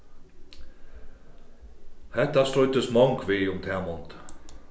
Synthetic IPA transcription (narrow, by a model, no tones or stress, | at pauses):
hɛt̪ːast̪ɾɔjt̪əsmɔŋkʋiːʊmt̪ʰɛːmɔnt̪